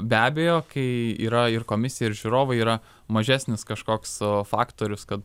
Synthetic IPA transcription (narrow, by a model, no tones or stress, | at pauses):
bʲæːbʲeːjoːkɐɪḭːɾɐɪrkoːmʲɪsʲɪjɛɪɾʒʲuːɾoːʋɐɪiːɾɐ | mɐʒʲæːsʲnʲɪskɐʃkoːksfɑːkt̪oːɾʲʊskɐt̪